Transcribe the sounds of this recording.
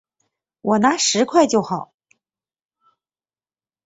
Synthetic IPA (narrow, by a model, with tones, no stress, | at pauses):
wɔ˨˩na˧˥ʂɻ̩˧˥kʰwa˥˧ɪt͡ɕjo˥˩ʊxɑ˨˩˦ʊ